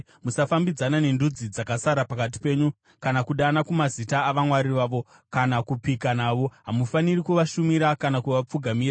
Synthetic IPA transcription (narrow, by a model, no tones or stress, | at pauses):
musafambid͡zanane̞ndud͡zid͡zakasaɾapakat̬i̥pe̞ːɲu | kanakuɗanakumazitaːʋamwaɾiʋaːʋo̞ | kanakupikanaːʋo̞ɦamufanirikuʋaʃumiɾakanakuʋap͡fuɡʱamira